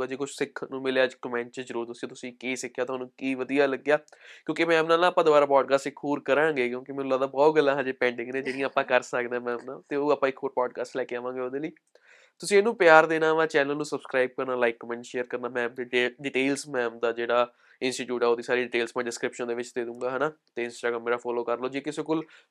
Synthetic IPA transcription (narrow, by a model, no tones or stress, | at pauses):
ad͡ʒeːkʊt͡ʃʰsɪkʰnũːmɪleaːd͡ʒkəmɛ̃ːɳʈt͡ʃəzəɾuːɾt̪ʊsĩt̪ʊsĩːkeːsɪkʰːjaːt̪ɦaːnũːkiːʋəd̪ijaːləɡjaːkjõːkemɛ̃ːəmnãːnãːpãːd̪ʊbaːɾaːpɔːɖkaːsʈɪkʰːoːɾkəɾãːŋɡeːk̬jõːkɪmɛːnũːlaːd̪aːbɔːt̪ɡəlːãːɦãːd͡ʒeːpɛ̃ːɳɖɪ̃ŋɡnẽːd͡ʒeːɽijãːaːpãːkəɾsəkd̪ẽɛ̃ːmɛ̃ːmnãːt̪eoːaːpãːɪkʰːoːɾpɔːɖkaːsʈlɛːkeaːʋãːŋɡeːoːd̪eːliː | t̪ʊsĩːenũːpɪjaːɾd̪eːnaːʋãːt͡ʃɛːnəlnũːsəbskɾaːɪb̚kəɾnaːlaːɪkːɔːmɛ̃ːɳʈʃeːəɾkəɾnaːmɛ̃ːmd̪eːeɖɪʈeːlsmɛ̃ːmd̪aːd͡ʒeːɽaː | ɪ̃nsʈiːʈjuːʈɛːoːd̪iːsaːɾiːɖɪʈeːlsmãːɖɪskɾɪpʃənd̪eːʋɪt͡ʃd̪eːd̪ũːŋɡaːɦɛnaːt̪eːɪ̃nsʈaːɡɾaːmːeːɾaːpʰɔːloːkəɾloːd͡ʒeːkɪseːkʊl